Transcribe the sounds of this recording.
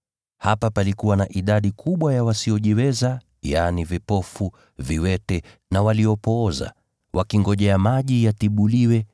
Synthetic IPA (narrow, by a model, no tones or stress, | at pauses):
hapapalikuwanaʔiɗaɗikʰuɓwajawasiɔʄiwɛza | janivipɔfu | viwɛtɛ | nawaliɔpɔːza̰ | wʔakiŋɡɔʄɛamaʄijatiɓuliwɛ